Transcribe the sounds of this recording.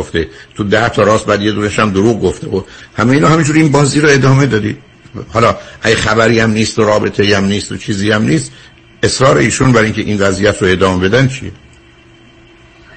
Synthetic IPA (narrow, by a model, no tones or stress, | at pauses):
oft̪et̪ʰud̪æht̪ʰɒːɾɒːsbæd̪ijed̪uːneʃæmd̪oɾuːɣɡoft̪eohæmeiːnɒːɦæmind͡ʒuːɾinbɒːziːɾoe̞d̪ɒːme̞d̪ɒːd̪ḭ̥ | hɒːlɒːʔæɟæxæbæɾiːæmniːst̪oɾɒːbe̞t̪ʰeiæmniːst̪ot͡ʃʰiːziːæmniːs | e̞sɾɒːɾe̞iːʃunbæɾiŋcʰe̞ʔinvæzijæt̪ʰɾoe̞ːd̪ɒːmebe̞d̪ænt͡ʃʰḭje